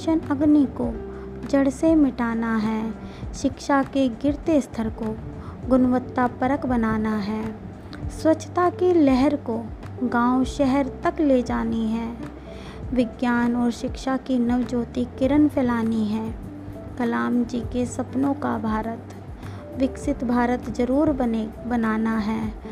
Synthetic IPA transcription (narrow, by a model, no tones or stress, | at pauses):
ʃənɐɡniko | d͡ʒəɽsemɪʈaːnaɦɛː | ʃɪkʃakeɡɪɾt̪est̪ʰəɾko | ɡʊnʋət̪ːapəɾəkbənaːnaɦɛː | swətːt͡ʃʰːə̥t̪akelɛɦɛɾko | ɡãːʊʃɛɦɛɾt̪ɐkled͡ʒaːniɦɛː | ʋɪɡjaːnɔːɾʃɪkʃakinɐʋd͡ʒoːt̪ikɪɾənpʰɛlaːniɦɛ̃ː | kɐlaːmd͡ʒiːkesɐpnõkabʱaːɾət̪ | ʋɪksɪt̪bʱaːɾət̪d͡ʒəɾuːɾbənaːnaɦɛː